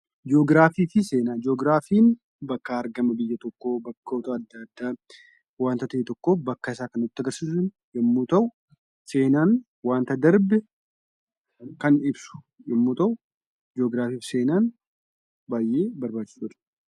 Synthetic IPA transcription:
d͡ʒo̞ːɡɾaːfiːfɪse̞ːnaːd͡ʒoːɡɾaːfiːn | bɐkːɐɐɾɡɐmɐbɪjːɐt̪ɔkːoːbɐkːɐɔt̪aːd̪ːɐd̪ːaː | waːnt̪ɐt̪ɐeːt̪ɔkːoːbɐkːɐɪsaːkɐnʊt̪ːɐɡɐɾsiːs̬ʊn | jɛmːoːt̪ɐʔʊ | se̞ːnaːn | waːnt̪ɐd̪ɐɾbɛ | kɐnɪbsʊ̥ | ʔɪmːoːt̪ɐʔʊ | d͡ʒoːɡɾaːfiːfɪ̥se̞ːnaːn | baːjʔe̞ːbɐɾbaːt͡ʃːɪ̥sʊᶑɐ̥

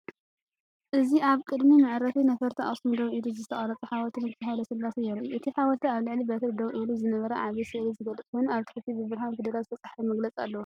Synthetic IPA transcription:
ʔɨziʔaβkʼɨd̪mimɨʕɾɐfʰinɐfɐɾt̪ʰiʔa̰sumd̪ɐwʔiluzɨt̪ʰɐχʼɐɾɐt͡sʼuħawɐt̪ʰɨnɨkt̪ʰaɦajlɐsɨlːasɐjɛɾuʔɨt̪ʰiħawɐt̪ʰiaβlɨʕlibɐt̪ʰɐld̪ɐwʔiluzɨnɐβɐɾɐʕaβisɨʔlizɨɡɐlːɨt͡s̪ʼkʰojnaβt̪ɨ̥ħɨt̪ʰibɨbɨɾɦawnfed̪ɐɾalfɐt͡sʼaħfimɐɡlɐt͡sʼa̰lːɐw

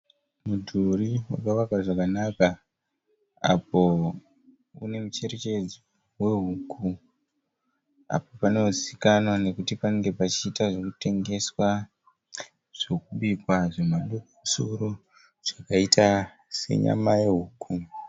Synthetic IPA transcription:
mudʱuɾiwakawakaʐakanaka | a̰po̞ | ṵne̞mut͡ʃe̞ɾe̞t͡ʃe̞d͡zi | we̞ɦukʰu | a̰popane̞uzikanone̞kutipaneŋɡe̞pat͡ʃiːtaʐokute̞ŋɡe̞swa | ʐ̥o̞k̚uɓikwaʐe̞maɗokomusoɾo | ʐ̥akaitʰa | se̞̰ɲa̰majeɦuːku

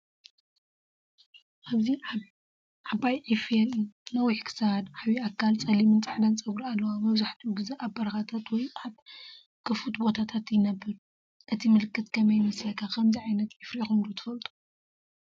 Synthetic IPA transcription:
ʔaβzi | ʕabajʕifeɨnnɐwiħkʰɨ̥sahd̪aβiakʰːalt͡sʼɐlimɨnt͡sʼaħd̪ɐnt͡sʼɐβɾalːɐwamɐβzaħt̪ʰiɡɨzeʔabːɐɾɐxat̪ʰat̪wɔjaβ | kʰɨfut̪bo̞t̪ʰat̪ʰat̪jɪnɐbːɨɾ | ʔɨt̪ʰimɨlɨkːɨt̪kʰɐmɐjmɨsjakʰakʰɐmziʕajnɐt̪ʕifɾixund̪ut̪ʰɨ̥fɐlt̪ʼu̥

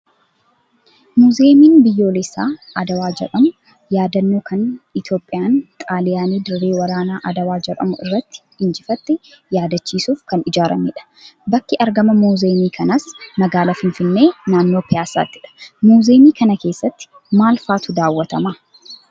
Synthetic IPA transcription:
muːzeːmiːnbɪjːo̞ːlɪsːa̰ː | ɐd̪ɐwaːd͡ʒɛ̰ᶑɐmʊ | jaːd̪ɐnːoːkʰɐnɪt̪jo̞ːpʼːɪjaːnt̪ʼaːlɪjaːniːd̪ɪɾːe̞ːwɐɾaːnaːʔɐd̪ɐwaːd͡ʒɛᶑɐ̰mʊɪ̰rːɐt̪ːɪ̥ | ɪnd͡ʒɪfɐt̪ːɪ | jaːd̪ɐt͡ʃːiːsuːfkɐnɪd͡ʒaːɾʔɐ̰mɪ̰ᶑɐ̥ | bɐkːɪʔɐɾɡɐmɐmuːze̞ːmiːkʰɐnɐsmɐɡaːlɐfɪnfɪnːe̞ːnaːnːoːpʰɪjaːsa̰ːt̪ːɪᶑɐ̥muːzeːmiːkɐnɐke̞ːsːɐt̪ːɪ̥ | maːlfaːt̪ʊd̪aːwːɐt̪ɐmaː

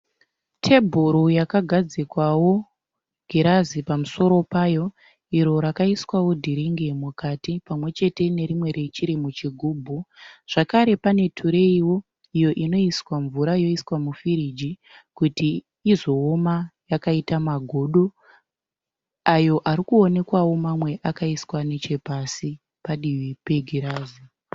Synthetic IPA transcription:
tʰe̞bʱuɾujakaɡʱad͡zikwawo̞ | ɡʱiɾazipamuso̞ɾo̞paːjo̞ | iɾo̞ɾakaiswawo̞dʱiɾiŋɡemukatipamwe̞t͡ʃe̞te̞ne̞ɾimwe̞ɾe̞t͡ʃiɾimut͡ʃiɡʱuːbʱuʐ̥akaɾe̞pane̞tʰuɾe̞iwo̞ | ijo̞ʔino̞iswaɱvuɾaijo̞iswamufiɾid͡ʒi | kutiː | zo̞ːmajakaitamaɡʱo̞ɗo | ajo̞ʔaɾikuo̞ne̞kwawo̞mamwe̞ʔakaiswanet͡ʃe̞pasi | paɗiwipeɡʱiɾaːzi

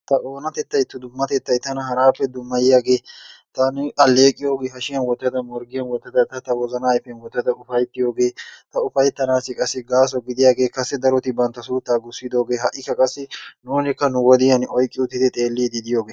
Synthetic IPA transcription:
t̪ɐʔoːnɐt̪ɛt̪ːɐjt̪ːʊd̪ʊmːɐt̪ɛt̪ːɐjt̪ɐnɐɦɐɾaːpːɛd̪ʊmːɐjɪjaːɡe̞ːt̪ɐnɐlːe̞ːkʼːɪjo̞ːɡeːɦɐʃɪjɐnwɔt̪ːɐd̪ɐmɔɾɡɪjɐnwɔt̪ːɐd̪ɐt̪ɐt̪ɐwɔzɐnɐːjfɛnwɔt̪ːɐd̪ɐʊfɐjt̪ːɪjo̞ːɡe̞ːt̪ɐʊfɐjt̪ːɐnaːsɪkʼɐsːɪɡaːs̬ɔɡɪd̪ɪjaːɡe̞ːkɐsːɛd̪ɐɾɔt̪ɪbɐnt̪ːɐsuːt̪ːaːɡʊsːɪd̪o̞ːɡe̞ːɦɐʔːɪkːɐkʼɐsːɪnuːnɪkːɐnʊwɔd̪ɪjɐnɔjkʼːɪʊt̪ːɪd̪ɪt̪ʼe̞ːlːiːd̪ɪd̪ɪjo̞ːɡeː

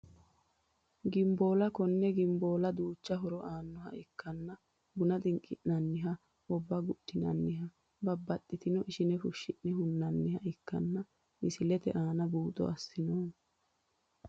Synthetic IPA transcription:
ɡɪmboːlɐkɔnːɛɡɪmboːlɐd̪uːt͡ʃːɐɦʊɾɔʔaːnːɔɦɐ̰ʔɪkːɐnːɐ | bʊnɐt̪ʼɪŋkʼːɪʔnɐnːɪɦɐ | ɔbːɐɡʊɗːɪnɐ̰nːɪɦɐ | bɐbːɐt̪ːɪt̪ɪnɔʔɪʃɪnɛfʊʃːɪʔnɛɦʊnːɐnːɪhɐʔɪkːɐnːɐ | ɪsɪlɛt̪ɛ̰ʔaːnɐbuːt̪ʼɔ̰ɐsːɪnoːn

